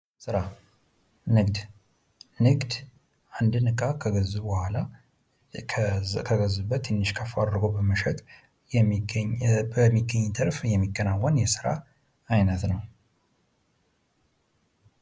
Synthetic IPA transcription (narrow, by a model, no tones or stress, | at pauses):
sɨɾa | nɨɡd̪ | nɨɡd̪ | and̪ɨnɨkʼakʰəɡəzːubəhʷala | kʰəɡəzubːət̪ːɛnːɨʃkʰəfad̪ɾɨɡobəməʃɛt̪ | jɛɲbəmːiɡːəɲːt̪ʰəɾfjɛmːikʼːənawːənjɛsɨɾa̰ː | jnət̪nəw